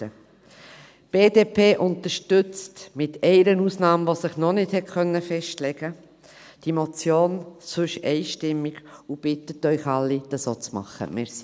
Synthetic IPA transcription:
ə | b̥eːdeːpʰeːʔʊnt̪əɾʃtʏt͡stmɪtʰɛɪɾənuːsnɑːmʋosɪχnɔnɪthɛtχœnːəfɛʃtlɛɡ̥ə | d̥imɔt͡sjoːnsʉʃɛɪʃtɪmːiɡ̥ub̥ɪt̪ətœʏχɑlːid̥̪əsoːt͡smɑ̰χːə̰mɛɾsi

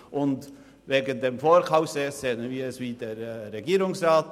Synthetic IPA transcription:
ʔʊnd | veːɡənd̪eːmfoːɾkʰaʊfsesz̥eːənənviːɾɛsviːdeːɾːeɡiːɾʊŋsrɑːt

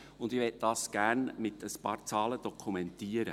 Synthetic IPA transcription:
ʊnd̪ɪʋɛt̚d̥ɑːsɡ̥ærnmɪtʰəspɑːɾt͡sɑːləd̥ɔkʰumɛntiːəɾə

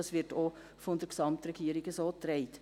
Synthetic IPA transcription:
ɑsʋɪɾto | fondəɾksɑmtɾɛɡ̥iːəɾɪɡəsoːt̪ɾɛɪt

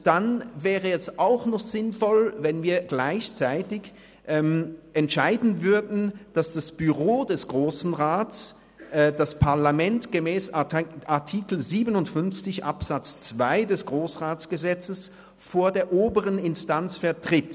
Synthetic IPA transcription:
d̥anvɛːʁəɛsaʊxnɔχz̥ɪnfɔlvɛnviːɐɡlaɪçt͡saɪtɪç | ʔɛːmʔɛntʃaɪdn̩vʏɐdn̩d̥asd̥asb̥yʁoːdɛsɡ̥ʁoːsn̩ʁaːts | d̥aspʰaɐlamɛntɡ̥əmɛːsʔaɐtʰiːkl̩ziːbənʊntfʏnft͡sɪçʔa̰pz̥at͡st͡sv̥aɪdɛsɡ̥ʁoːsʁaːt͡sɡ̥əzɛt͡səs | foːɐdeːɐʔoːbəʁənɪnstant͡sfɛɐtʁ̥ɪt

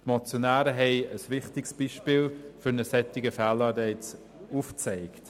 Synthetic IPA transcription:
tmɔt͡sjonæːɾəɦɛɪəsʋɪχtɪksb̥iʃpiːlfʏɾnəsɛtɪɡəfæːlɑːdɛɪt͡s | uft͡sɛɪkt

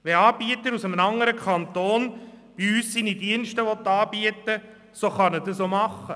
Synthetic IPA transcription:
ʋɛɑːb̥iət̪əɾusəmnɑŋːəɾəkʰχɑnt̪oːnb̥iyːsːinidiənʃtəʋɔt̪ːɑːb̥iətə | soχɑnəd̥əsomɑχːə

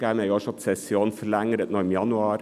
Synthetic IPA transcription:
æmæɪoːʃɑt̪sɛsɪoːnfɔɭæŋɾət̪nɔɾmjɑnʊɑːɾ

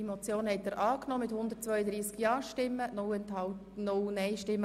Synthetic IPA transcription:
imɔt͡sjoːnhɛtːɛːɾʔɑːknɔːmɪthʊnd̪əɾtt͡sʋœʏəd̪ɾiːskjɑːʃtɪmːənɛnthɑ | nʊwnɛɪʃtɪmːə

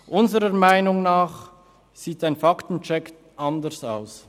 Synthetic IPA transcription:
ʔʊnzəɾəmaɪnʊŋnaːχ | z̥iːtaɪnfaktn̩t͡ʃɛk | ʔandəɾsaʊs

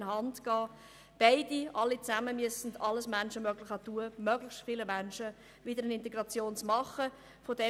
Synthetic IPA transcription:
nhɑndɡ̥ɑː | b̥aɪdiʔɑlːit͡sæməmyəsn̩dɑlːəsmænʃəmøːɡlɪχɑtuəmœɡ̥lɪxstfiːləmænʃə | vɪdəɾənɪnt̬ɛɡɾɑt͡sjoːnt͡smɑχə | fodɛ

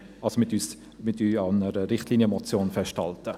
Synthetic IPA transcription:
ʔɑlsomɪtyːs | mɪtyːɑnəɾəɾɪχtliːniəmɔt͡sjoːnfɛʃthɑ̰ltə

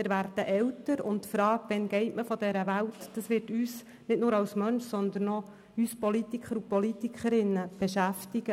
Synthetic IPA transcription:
mɪɾʋærd̥əʔɛwtəɾʊ̰ntfɾɑːɡʋɛnɡɛɪtməfɔdɛɾəʋæltd̥ɑsʋɪrtyːs | nɪtnʊːɾɑwsmœnʃsɔnd̪ənːɔ | yːspɔlit̪ikʰχəɾupɔlitikʰχəɾɪnːəb̥eʃæftiɡ̥ə

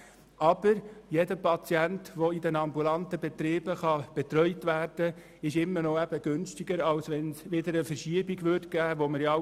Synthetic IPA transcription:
ʔɑb̥əɾjɛdəpɑt͡sjæntʋoidɛnɑmbulɑnt̪əbɛt̪ɾiːb̥əχɑb̥ɛt̪ɾœʏtʋæːrd̥ə | ɪʃɪmːənɔæb̥əɡ̥ʏnstɪɡəɾɑwsʋɛnsʋɪd̪əɾəfəɾʃiəbiɡʋʏtɡ̥æːʋoməɾjɑ

